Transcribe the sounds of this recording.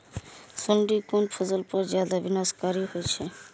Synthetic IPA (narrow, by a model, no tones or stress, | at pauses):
suɳɖikonpʰozolpɔɾd͡ʑad̪abinaskaɾihojt͡ɕʰe